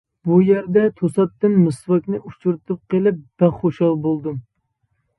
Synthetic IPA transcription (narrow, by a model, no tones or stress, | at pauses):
bujæɾd̪ɛt̪ʰosɑt̪ːɨnmɨsvɑkʲnɨʔut͡ʃuɾt̪ʰɨp̚qelˠɨp̚b̥æχoʃɑlˠbolˠd̪u